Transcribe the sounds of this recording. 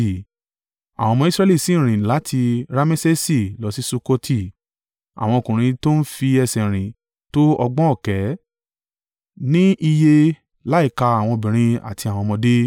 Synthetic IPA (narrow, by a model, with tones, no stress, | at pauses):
a̰˨w̃ɔ̃˧mɔ̃˧i˦sɾɛ˧li˦˨sĩ˨˦˨ɾ̃ĩ˨la˨˦tʰi˧ɾa˦me˦se˦si˦˨lɔ˨˦si˦su˦˧ko˦tʰi˦˨ | a̰˨w̃ɔ̃˧o˧kũ˨ɾ̃ĩ˧to˦n̩˦fi˧ɛ˧sɛ˨ɾ̃ĩ˨ | to˦ɔ˧ɡ͡bɔ̃˦ɔ˦˨kɛ˨˦ | nĩ˦ʔi˧je˧ | la˦i˦˨ka˧a˨w̃ɔ̃˧bĩ˨ɾ̃ĩ˧a̰˨tʰi˧a˨w̃ɔ̃˧mɔ̃˧de˦